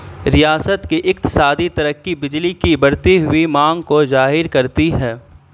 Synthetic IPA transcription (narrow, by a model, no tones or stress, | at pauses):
ɾijaːsət̪kiʔɪkt̪ɪ̥saːd̪it̪ɐɾəkːibɪd͡ʒlikibɐɽt̪iɦʊimãːŋɡkod͡ʒaːɦɪɾkɐɾt̪iɦɛː